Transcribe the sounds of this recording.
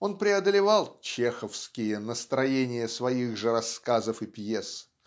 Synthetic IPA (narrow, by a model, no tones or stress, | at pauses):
o̞npɾʲɪɐd̪əlʲɪvɑlˠt͡ɕexəfskʲɪjənəst̪ɾɐjenʲɪjəsvɐiɣʐɨɾɐskazəfɨpjes